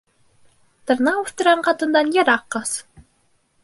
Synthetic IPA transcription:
t̪ɤ̆ɾnɑuʃt̪ŭɾɑnqɑt̪ɯ̆nd̪ɑnjeɾɑqːɑs

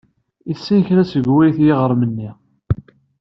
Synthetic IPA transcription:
isːinçɾæsəɡwijθjɪʁəɾˤmənːi

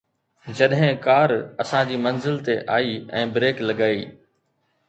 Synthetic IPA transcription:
d͡ʑɐɗɦɪ̃kaːɾɐsãd͡ʑiːmɐnzɪlt̪eʔaːiɛ̰̃ːbɾeːklɐɡaːiː

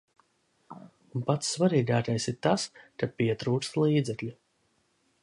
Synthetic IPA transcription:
unpat̪ssːvaɾiːɡaːkajsiɾt̪askapiɛt̪ɾuːst̪lˠiːd̪zɛklʲu

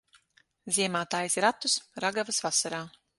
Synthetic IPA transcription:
zʲiɛmaːt̪aːjsɾat̪ːusɾaɡavasvasaɾaː

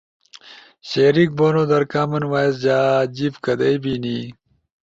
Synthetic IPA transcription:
ɕeːɾik̚boːnoːd̪ɐɾkaːmɐnwaːjes̬d͡ʑaːd͡ʑibkɐd̪ɐjbiːni

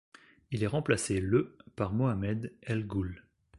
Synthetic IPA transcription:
ilɛʁɑ̃plaseləpaʁmɔamɛd̪ɛlɡul

